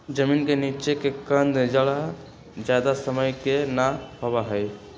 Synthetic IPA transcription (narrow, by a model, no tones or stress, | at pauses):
d͡ʒəmiːnkeniːt͡ʃekekə̃nd̪d͡ʒəɽa | d͡ʒjaːd̪asəməjkenahowaɦɛj